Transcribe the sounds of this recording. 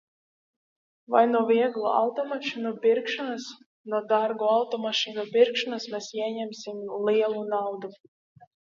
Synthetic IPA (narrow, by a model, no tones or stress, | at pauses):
va̰jnuɔvʲiɛɡlˠṵa̰wt̪ɔmaʃinupʲiɾkʃɔnas | nuɔd̪aɾɡuawt̪ɔmaʃinupʲiɾkʃɔnasmʲɛsiɛɲɛmsʲimliɛlˠunawd̪u